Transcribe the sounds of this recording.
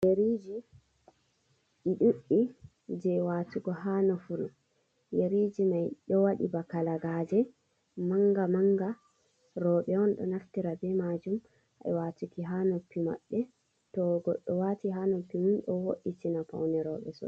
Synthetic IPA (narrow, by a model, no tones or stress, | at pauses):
jeɾid͡ʒi | iɗuɗːi | d͡ʒɛwaːtuɡɔɦanɔfuɾu | jeɾid͡ʒimajɗɔwaɗḭbakalaɡad͡ʒɛ | maŋɡamaŋɡa | ɾɔɓɛɔnɗɔ̰naftiɾabɛmad͡ʒum | a̰ɛwatukiɦanopːima̰ɓːɛ | tɔɡɔɗːɔwatiɦanopːiminɗɔwoɗːitinapa̰wnɛɾɔɓɛ̰sɔ̰